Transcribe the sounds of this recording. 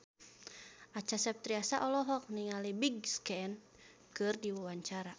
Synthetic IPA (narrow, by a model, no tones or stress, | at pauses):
at͡ʃasɛp̚t̪ɾiasaʔɔlɔɦɔk̚niŋalibiɡskɛn | kɨrdiwawaɲt͡ʃaɾa